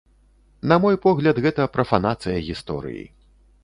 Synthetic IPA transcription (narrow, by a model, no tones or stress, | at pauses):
nɐmɔjpɔɣlʲɐd̪ɣɛt̪ɐpɾʔɐfanat̪sɨjɐɣʲist̪ɔ̰ɾɨ̰jḭ